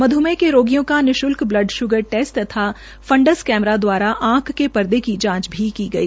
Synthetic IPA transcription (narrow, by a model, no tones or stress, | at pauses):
mɐd̪ʱumẽkeɾoːɡijõkanɪʃʊlkblɐɖʃʊɡəɾʈeːsʈ̪t̪ːɐt̪ʰa | fɐ̃ɳɖəskɛːmɾad̪waːɾaʔãːkːepɐɾd̪ekid͡ʒãːt͡ʃbʱikiɡɐiː